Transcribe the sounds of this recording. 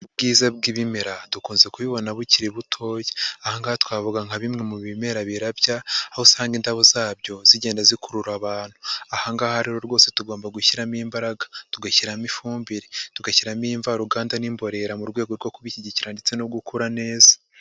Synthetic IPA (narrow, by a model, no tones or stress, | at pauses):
bɡiːzabɡiβimeɾadukuːnzekuβiβo̞naβuciɾiβutʰo̞ːjeahaŋɡaːhatwaːvuɡaŋaβimŋe̞muβimeɾaβiɾabjaːhosaːŋɡindaβozaːbjo̞ziɟe̞ːndazikuɾuɾaβaːn̥hu̥ahaŋɡaːhaɾiɾo̞ɾɡwo̞ːse̞tuɡo̞ːmbaɡuçiɾamiːmbaɾaɡḁtuɡaçiɾamifuːmbiɾetuɡaçiɾamiɱvaɾuɡaːndanimbo̞ɾe̞ɾamuɾɡwe̞ːɡo̞ɾɡo̞kuβiciɟiciɾandet͡se̞nob̚ɡukuɾane̞ːzḁ